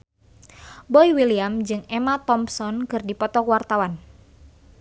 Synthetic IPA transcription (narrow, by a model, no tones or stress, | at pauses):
bɔiwiliamd͡ʒɨŋɛmat̪ɔmsɔnkɨrdipɔt̪ɔkwart̪awan